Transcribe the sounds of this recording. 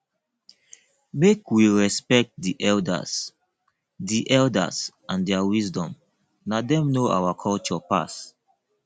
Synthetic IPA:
mekwiɹɛspɛk̚t̚diʔɛlda̰z | diʔɛlda̰sʔãndɛawizdɔ̃m | nadɛ̃mnoʔa̰wakʰɔlt͡ʃɔpa̰s

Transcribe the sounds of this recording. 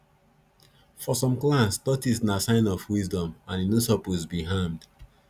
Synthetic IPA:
fɔsɔ̃mklãnstɔtisnasãɪ̃nɔfwizdɔ̃mãninosɔpozbiɦamd̥

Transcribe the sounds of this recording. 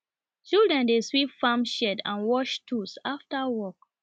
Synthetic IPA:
t͡ʃildɹɛ̃ndeswipfãmʃɛdã̰nwɔʃtʰusaftawɔk̚

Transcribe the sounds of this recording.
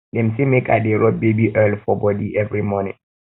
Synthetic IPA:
ɗɛmsimɛka̰diɾɔbebiʔɛlfɔbɔdiʔɛvɹimɔnḭ

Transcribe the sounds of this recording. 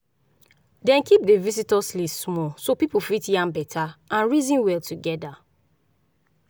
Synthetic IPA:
dɛ̃nkip̚devisitɔslismɔsopipufitjãmbɛtʰaãnɹizĩnwɛltuɡɛda

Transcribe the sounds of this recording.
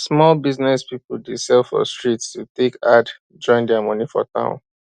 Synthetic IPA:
smɔlbiznɛspipl̩desɛlfɔ̰stɹitstutekad | d͡ʒɔ̃ɪ̃ndɛamɔ̃nifɔ̰tã̰ʊ̃n

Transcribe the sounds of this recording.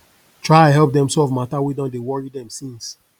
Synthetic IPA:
tʰɹaɪãnɦɛlˠp̚dɛ̃msɔvmatawidɔ̃ndewɔɹidɛ̃msĩns

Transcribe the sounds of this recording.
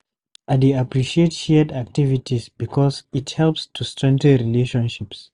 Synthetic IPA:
ʔadiapɹiʃietʃɛədak̚tivitizbikʰɔzithɛlpstʰustɹɛ̃ŋk̚tə̃nɹileʃɔ̃nʃips

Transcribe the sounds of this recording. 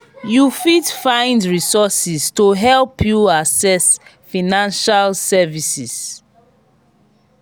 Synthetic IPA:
jufidfãɪ̃ndɹisɔsistoɦɛlpʰjuasɛsfanãnʃalsɛvisis

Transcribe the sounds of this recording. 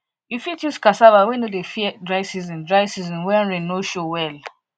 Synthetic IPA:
jifitjuskasabawenodefiɛdɹaɪsizɔ̃ndɹajsizɔ̃nwɛ̃nɹĩnoʃowɛl

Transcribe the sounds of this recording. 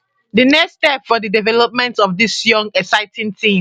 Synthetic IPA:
dənɛkstɛpfɔdidivɛlɔp̚mɛ̃ntɔfdisjɔ̃ŋɛksaɪtĩntʰĩ

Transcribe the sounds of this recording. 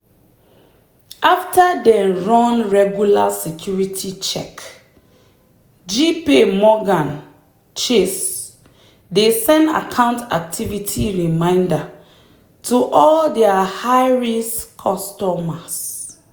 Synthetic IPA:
aftadɛ̃nɹɔ̃nɹɛɡjulasɛkʰjuɹitʰit͡ʃɛ̰k | d͡ʒipemɔɡãn | t͡ʃes | desɛ̃nda̰kʰãʊ̃nta̰k̚tʰivitʰiɹimãɪ̃nda | tʰuʔɔldɛahaɪɹiskʰɔstɔmas

